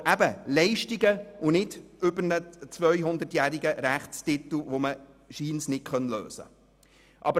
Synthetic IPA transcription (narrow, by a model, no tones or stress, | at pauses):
ʔæbəlɛɪʃtɪɡəʊnɪdʏbəɾnət͡svœʏjɦʊnd̪ətjæːɾɪɡəɾæχtstɪt̪l̩ʋomə | ʃiːnsnɪtkʰœnlø̰ːsə̰ | ʔɑbə